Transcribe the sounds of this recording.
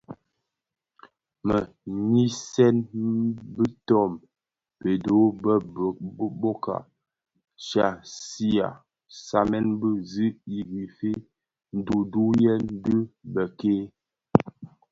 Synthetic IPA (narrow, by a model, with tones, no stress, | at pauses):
mə˨ | ɲi˦sɛ˦n | bi˦tɔ˦˨m | pe˨do˨˦bə˦˨˦ | bo˦ka̰˨ | ʃa˨si˦a̰˨ | sa˨mɛ˦nbə˦zi˦i˨ɡi˨fe˦ | n̩˦du˨du˦jɛ˦n˦di˦bə˨ke˦